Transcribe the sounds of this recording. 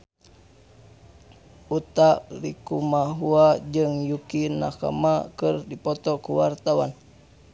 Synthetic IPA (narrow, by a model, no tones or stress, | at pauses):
ut̪aʔlikumaɦuad͡ʒɨŋjukina̰ka̰makərdipɔt̪ɔkuwart̪awa̰n